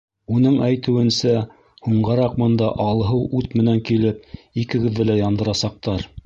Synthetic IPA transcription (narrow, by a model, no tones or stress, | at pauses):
unɤɴæjt̪ɘ̆wɘ̆nsæ | huɴɢɑɾɑq̚bɤ̆nd̪ɑʔɑlˠɦɤwʉt̪mɘ̆næŋkilɘp̚ikɘ̆ɡɘ̆ðːɘlæjɑnd̪ɤ̆ɾɑsɑq̚t̪ɑɾ